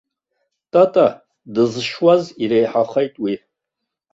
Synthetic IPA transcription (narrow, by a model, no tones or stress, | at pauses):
tʼatʼa | dɨzɨʃwaziɾejħaχejtʼwi